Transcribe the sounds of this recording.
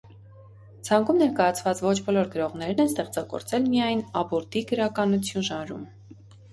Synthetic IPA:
t͡sʰɑŋkumnɛɾkɑjɑt͡sʰvɑt͡svɔt͡ʃʰbɔlɔɾɡəɾɔʁnɛɾnɛnst̪ɛχt͡sɑɡɔ̰ɾt͡sɛlmijɑjnɑbɔɾt̪iɡəɾɑkɑnut͡sʰjunʒɑnɾṵm

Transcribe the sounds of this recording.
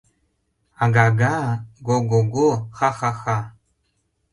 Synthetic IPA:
aɡaɡaɡoɡoɡoxaxaxa

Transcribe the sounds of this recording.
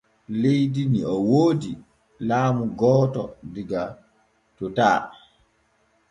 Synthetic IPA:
lejdiniɔwoːdi | laːmuɡɔːtɔ̰diɡa | tɔtaː

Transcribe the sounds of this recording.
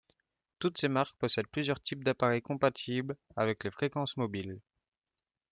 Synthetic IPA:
t̪ut̪semaʁkpɔsɛd̪̚plyzjœʁt̪ʰip̚d̪apaʁɛjkɔ̃pat̪ʰiblavɛklefχekɑ̃smɔbil

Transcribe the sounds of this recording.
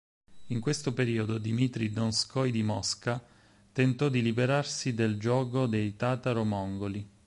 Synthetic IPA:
iŋkwest̪opeɾiːod̪od̪imit̪ɾid̪ɔnskɔjd̪imɔska | t̪ent̪ɔd̪ilibeɾarsid̪eld͡ʒɔːɡod̪ejt̪aːt̪aɾomɔŋɡoli

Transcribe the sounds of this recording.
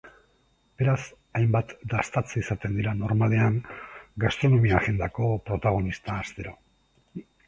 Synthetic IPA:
b̥e̞ɾas | ajmbat̪d̪ast̪at͡sisat̪e̞nd̪iɾano̞ɾmale̞aŋɡast̪ɾo̞no̞miaxe̞nd̪ako̞pɾo̞t̪aɣ̞o̞nist̪aːst̪e̞ɾo̞

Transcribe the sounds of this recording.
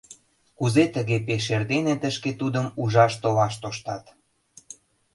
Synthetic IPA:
kuzet̪əɣepeʃerd̪enet̪əʃket̪ud̪əmuʒɑʃt̪ovɑʃt̪oʃt̪ɑt̪

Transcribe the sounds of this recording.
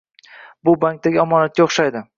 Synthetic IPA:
bʊbaŋk̚t̪aɡʲɪɒmɒnat̪̚kʲaoχʃajd̪ɪ

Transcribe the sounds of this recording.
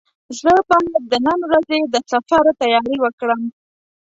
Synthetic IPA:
zləpɑhad̪ənənwɾazed̪əsafaɾt̪ajɑɾiwəkɽəm

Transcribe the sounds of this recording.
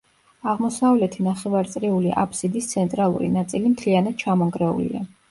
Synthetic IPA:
aʁmɔsavlɛt̪ʰinaχɛvaɾt̪sʼɾiuliʔa̰pʰsid̪ist̪sʰɛnt̪ʼɾalˠṵɾḭnat̪sʼilimt̪ʰlianad̪̥̚t͡ʃʰamɔŋɡɾɛṵlḭa

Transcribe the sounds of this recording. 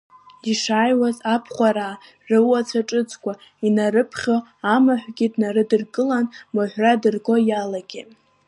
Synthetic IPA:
iʂajwazapʰχʷaɾa | rɨwat͡sʷʰaʈ͡ʂʼɨt͡sʰʼkʷʼainaɾɨpʰχʲoamaħʷɡʲidnaɾɨdɨrkʼɨlanmaħʷradɨrɡʼo̞jalaɡ̥ʲi

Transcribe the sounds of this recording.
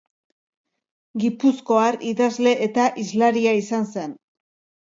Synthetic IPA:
ɡipusko̞aɾiðazle̞ʔet̪aʔizlaɾiaisanse̞n

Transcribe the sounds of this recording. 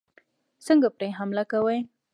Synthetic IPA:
səŋɡapɾeɦamlakawəj

